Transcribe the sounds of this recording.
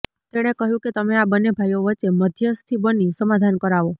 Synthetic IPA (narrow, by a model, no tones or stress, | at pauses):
t̪eɽ̃ekəɦjũket̪əmeabənːebʱajoʋət͡ʃeməd̪ʱjəst̪ʰibənisəmad̪ʱankəɾaʋo